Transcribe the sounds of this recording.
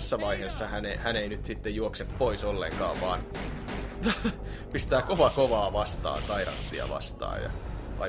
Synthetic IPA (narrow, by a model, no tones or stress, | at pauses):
sːɑʋɑiheːsːɑhænehæneinyt̪sit̪ːejjuokseppoisolːḛŋkɑ̰ːʋʋɑːn | pist̪æːkoʋɑkoʋɑːʋɑst̪ɑ̰ːnkɑiɾɑ̰nt̪ːiɑ̰ʋɑ̰st̪ɑ̰ːjjɑ̰ʋɑ̰i